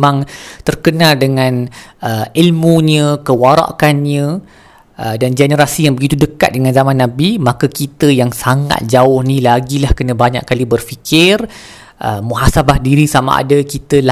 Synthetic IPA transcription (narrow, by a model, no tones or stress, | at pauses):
mãŋt̪ərkənaldəŋãnəilmuɲə̃kəwaɾa̰ʔkanɲə̃ | ʔədand͡ʒɛnəɾasijaŋbəɡit̪udəka̰t̪̚dəŋanzamãnːabimakəkit̪əjaŋsaŋa̰t̪̚d͡ʒaʊhnĩlaɡilahkənə̃baɲa̰ʔkːalibərfikɪr | ʔəmuɦasabahdiɾisama̰ʔa̰dakit̪əla